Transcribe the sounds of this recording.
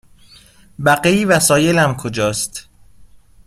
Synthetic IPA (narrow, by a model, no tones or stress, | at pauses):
bæɢeiːvæsɒːjelæmkʰod͡ʒɒːst̪